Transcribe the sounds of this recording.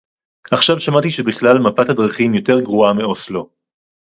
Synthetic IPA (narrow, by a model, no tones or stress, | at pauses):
aχʃavʃamat̪iʃebiχlalmapathadʁaχimjo̞te̞ʁɡʁuameo̞slo̞